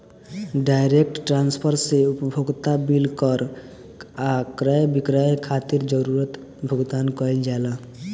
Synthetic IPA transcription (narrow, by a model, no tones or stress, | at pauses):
ɖajɾek̚ʈʈɾanspʰəɾseupəbʱoɡt̪abilkəɾ | akɾəjbikɾəjkʰat̪iɾd͡ʒəɾuɾət̪ | bʱəɡd̪ankəjld͡ʒala